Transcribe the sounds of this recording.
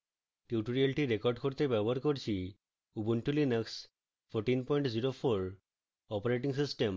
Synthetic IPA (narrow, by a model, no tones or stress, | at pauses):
ʈjuʈoɾiəlʈiɾekɔɾɖkʰɔɾt̪ebɛbəɾkɔɾt͡ɕʰi | ubuɳʈulinəks | pʰɔɾʈinpɔiɳʈd͡ʑiɾopʰoɾ | ɔpəɾeʈiŋs̬isʈem